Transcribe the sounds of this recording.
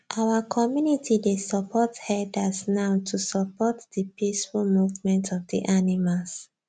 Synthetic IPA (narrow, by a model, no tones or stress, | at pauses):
ʔawakʰɔmjunitidesɔpʰɔthɛdasnaʊtʰusɔpɔtdipisfulmuvmɛ̃ntɔfdḭʔanimals